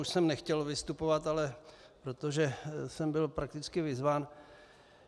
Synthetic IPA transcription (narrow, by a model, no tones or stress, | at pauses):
uʃsɛmnɛxcɛlvɪst̪upovat̪alɛ | pɾo̞t̪oʒɛsɛmbɪlpɾakt̪ɪt͡skɪvɪzvaːn